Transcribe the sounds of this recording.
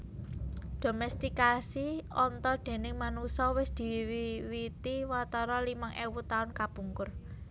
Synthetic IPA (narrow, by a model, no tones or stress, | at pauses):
d̪̥o̤mɛst̪ikasiɔnt̪ɔd̪̥e̤nɪŋmanusɔwɪsd̪̥i̤wwiwit̪iwat̪ɔɾɔlimaŋʔewut̪aʊnkab̥uŋkʊr